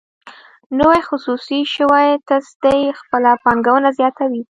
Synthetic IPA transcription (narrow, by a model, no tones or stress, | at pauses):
nəwajxʊsusiʃəwajt̪asd̪ajxpəlapɑŋɡawənazjɑt̪awi